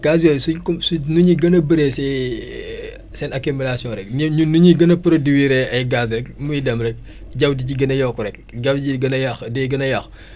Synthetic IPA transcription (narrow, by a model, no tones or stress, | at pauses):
ɡ̥azwɛsukusunuɲiɡɐnɐbəɾesɛ | sɛnɐkimilasijɔ̃ɾɛknunuɲiɡɐnɐpuɾɐdiwiɾɛɐjɡazɾɛkmujidɐmɾɛk̚ | ɟɐwdiɟiɡɐnɐjɔkːuɾɛk̚ | ɟɐwɟiɡɐnɐjɐxdɛɡɐnɐjɐx